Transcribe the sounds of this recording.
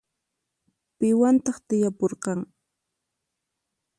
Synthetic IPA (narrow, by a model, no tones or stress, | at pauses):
pɪwant̪ɑχt̪ɪjapoɾqɑŋ